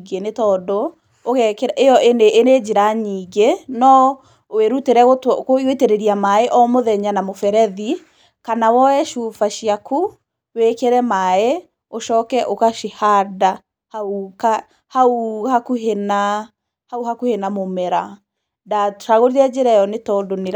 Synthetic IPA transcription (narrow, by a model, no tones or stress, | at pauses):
ɡenetɔdɔ | okɛkɛɾejɔʔeneʔːned͡ʒeɾaɲiːɡenɔ | oweɾuteɾɛɣotkoiweteɾeɾiamaeʔɔmoðɛɲanamofɛɾɛði | kanawɔɛʃufaʃiaku | wekɛɾɛmae | oʃɔːkɛʔokaʃehada | hauka | hauhakuɦena | hauɦakuhenamomɛɾa | daʃaɣoɾiɾɛd͡ʒeɾɛjɔnetɔːdoneɾa